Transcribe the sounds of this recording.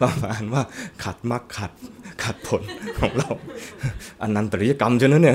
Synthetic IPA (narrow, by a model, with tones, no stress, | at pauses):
faː˧˩faaː˨˦nwaː˥˩kʰa˨˩t̪̚ma˥˩kʰːa˨˩t̪̚kʰa˨˩t̪̚pʰo˩˦nkʰɔː˨˩˦ŋɾa˧w | ʔa˧nːa˧mt̪ɾi˦ja˧ka˧mt͡ɕʰa˧na˦˥ni˥˩